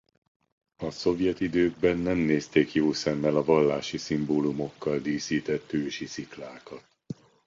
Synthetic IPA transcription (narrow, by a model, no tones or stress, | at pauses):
ɒso̞vjɛt̪id̪øːɡ̚bɛnːɛmneːst̪eːkjoːsɛmːɛlɒvɒlːaːʃisimboːlumo̞kːɒld̪iːsiːt̪ɛt̪ːøːʃisiklaːkɒt̪̚